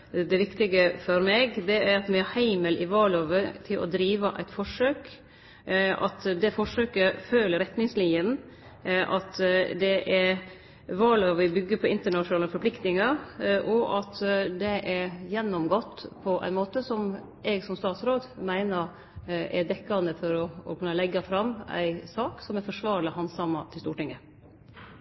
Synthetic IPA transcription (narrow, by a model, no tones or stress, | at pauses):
d̪ɛʋɪkt̪ɪɡəfɔɾmɛɡd̪ɛæɾɑt̪mɛɑhæɪməlʔɪʋɑːɭoːʋət̪ʰɪlʔɔ̰d̪ɾiːʋəʔæɪt̪fɔʂøːk | ʔɑ̰t̪d̪ɛfɔʂøːkəføːləɾɛt̪nɪŋslɪnjən | ʔɑt̪d̪ɛʔɛ | ʋɑːɭoːʋəbʏɡːəpʰɔɪnt̪əɳɑʂnɑːləfɔɾpʰlɪkt̪nɪŋɑɾʔɔʔɑt̪d̪ɛʔɛɾjɛnːɔmɡɔt̪ːpʰɔʔæ̰ɪnmoːt̪əsɔm | ɛɡsɔmst̪ɑːt̪sɾoːd̪mæɪnəɾ | ɛd̪ɛkːɑnd̪əfɔɾɔɔkʉnːɑlɛɡːɑfɾɑmːæ̰ɪsɑːksɔmɛɾfɔʂʋɑːɾɭɪhɑnsɑmːɑt̪ʰɪlst̪uːʈɪŋɡə